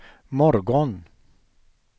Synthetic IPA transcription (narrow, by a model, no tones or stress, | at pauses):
mɔɾɡɔn